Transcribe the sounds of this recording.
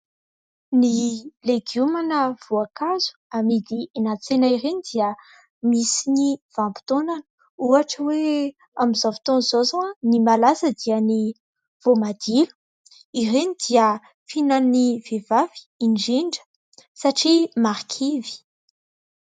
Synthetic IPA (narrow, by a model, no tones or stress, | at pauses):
nileɡjumanəv̥oakazu̥amid̪ienat͡senaiɾenid̪iə | misiniv̥ambu̥t̪onanə̥ | uaʈ͡ʂəwe | amizavi̥t̪onzozonimalasəd̪iəni | v̥omad̪̥ilu̥ | irenid̪̥iə | finanivevavi̥iɳɖ͡ʐiɳɖ͡ʐə̥ | saʈ͡ʂimaɾkʰivi̥